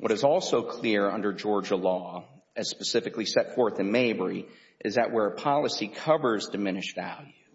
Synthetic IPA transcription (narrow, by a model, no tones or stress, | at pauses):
wʌɾɨzɔlˠsoʊkʰl̥ɪɹʌ̰̃ndə˞d͡ʒɔɹd͡ʒəlɔ | ɨz̥spɨsɪfɨklisɛtfɔɹθɨ̃nmeɪbə˞i | ʔɨzɨʔwə˞əpʰɑlˠəsikʰʌvə˞zdɨmɪ̃ñɨʃvælˠjʉ